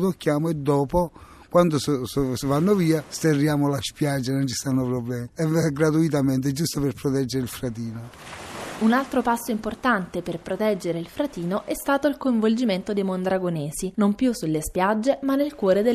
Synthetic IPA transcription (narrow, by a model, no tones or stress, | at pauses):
t̪okːjaːmoed̪ːɔːpo | kwand̪ossvanːoviːast̪erːjaːmolaspjad͡ʒːanont͡ʃi̥st̪anːopɾoblɛːmiɛɡɾat̪̬uit̪̬amɛnt̪̬ed͡ʒust̪operpɾɔt̪ɛd͡ʒːeɾeilfɾat̪̬iːno | unalt̪ɾopasːoimport̪ant̪eperpɾot̪ɛd͡ʒːeɾeilfɾat̪iːnoʔɛst̪aːt̪oilkoĩɱvold͡ʒiment̪od̪ejmond̪ɾaɡoneːsinompjusːulːespjad͡ʒːemanːelkwɔːɾed̪e